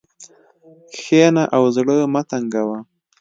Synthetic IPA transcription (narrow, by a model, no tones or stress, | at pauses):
xenaʔawzɽəmat̪aŋɡawa